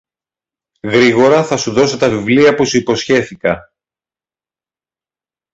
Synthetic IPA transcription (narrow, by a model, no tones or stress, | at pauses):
ɣɾiɣo̞ɾɐθɐsuðo̞set̪ɐvivliɐpusuipo̞sçe̞θikɐ